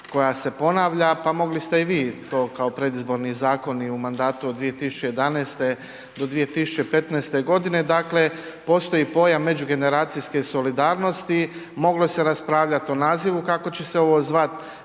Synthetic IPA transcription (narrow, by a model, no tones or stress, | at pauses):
ko̞jase̞po̞naːʋʎapamo̞ɡlist̪e̞iʋiːt̪o̞ːkao̞pɾe̞d̪izbo̞ɾnizaːko̞niumand̪aːt̪ud̪d̪ʋije̞t̪isu̥t͡ʃeje̞d̪aneːst̪e̞ | d̪o̞d̪ʋije̞t̪isu̥t͡ɕe̞pe̞t̪nɛːst̪e̞ɡo̞d̪ine̞d̪akle̞ | po̞ːst̪o̞jipo̞jammːe̞d͡ʑuɡe̞ne̞ɾaːt̪siske̞so̞lid̪aːɾno̞st̪imo̞ɡlo̞se̞ɾaspɾaːʋʎat̪o̞naːziʋukako̞t͡ɕe̞seo̞ʋo̞ːzʋat̪